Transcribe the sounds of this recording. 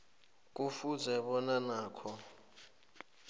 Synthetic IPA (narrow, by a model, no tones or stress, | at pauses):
k̬ʼufuzɛɓɔnanaːkʰɔ